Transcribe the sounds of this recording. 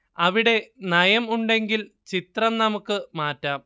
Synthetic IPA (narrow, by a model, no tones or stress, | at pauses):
ɐʋiɽe̞nɐjɐmuɳɖe̞ŋɡil | t͡ɕit̪rɐmnɐmukːɨmaːtːaːm